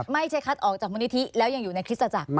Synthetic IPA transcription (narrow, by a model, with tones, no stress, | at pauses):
ma˥˩jt͡ɕʰa˦˥jkʰa˦˥t̪̚ʔɔː˨˩k̚t͡ɕaː˨˩k̚mu˧ni˥t̪ʰːi˦˥lɛː˦˥wja˧ŋjuː˨˩na˧jkʰɾt̪̚sa˧t͡ɕa˨˩k̚